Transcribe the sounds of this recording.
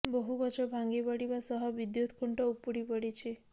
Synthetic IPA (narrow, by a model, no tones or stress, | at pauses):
boɦukɔt͡ʃʰɔbʱaŋɡibɔɽibasɔɦɔbid̪jut̪ʰkʰuɳʈɔupuɽipɔɽit͡ʃʰi